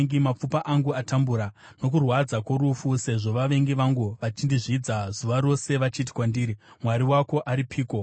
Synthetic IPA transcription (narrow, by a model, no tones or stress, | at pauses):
ŋɡimap͡fupaʔaŋɡuatambuɾa | no̞k̬urwad͡zakoɾufuse̞ʐo̞ʋaʋe̞ŋɡiʋaŋɡuʋat͡ʃindiʐiːd͡zazuʋaɾo̞se̞ʋat͡ʃit̬i̥kwandiːɾimwaɾiwako̞ʔaɾipʰiːko̞